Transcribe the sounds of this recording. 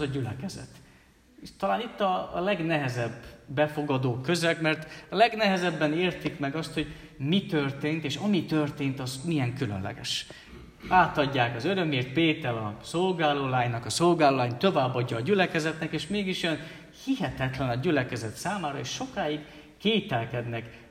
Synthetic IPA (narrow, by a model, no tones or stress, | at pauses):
ɛzɒɟylɛkɛzɛ̰t̪ː | ʃt̪ɒlaːnit̪ːɒlɛɡnɛɦɛzɛbːɛfo̞ɡɒd̪oːkːø̞zɛkmɛrt̪ɒlɛɡnɛɦɛzɛbːɛneːrt̪ikmɛɡɒst̪ho̞ɟ | mit̪ørt̪eːnt̪eːʃɒmit̪ørt̪eːnt̪ɒzmijɛŋkylø̰nlɛ̰ɡɛ̰ʃ | aːt̪ɒɟːaːkɒzøɾø̞meːrt̪̚peːt̪ɛlɒso̞lɡaːloːlaːɲnɒkɒso̞lɡaːloːlaːɲt̪o̞vaːbːɒɟːɒːɟylɛkɛzɛt̪nɛkeːʃmeːɡiʃjøn | hiɦɛt̪ɛt̪lɛnɒɟylɛkɛzɛt̪saːmaːɾɒeːʃʃo̞kaːjiɡ | keːt̪ɛlkɛd̪nɛk